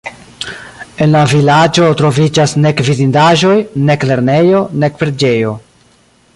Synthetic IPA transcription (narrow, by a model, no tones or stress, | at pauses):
e̞nlavilad͡ʒo̞tɾo̞vid͡ʒasne̞kvizindaʒo̞jne̞kle̞ɾne̞jo̞ne̞kpɾe̞d͡ʒe̞jo̞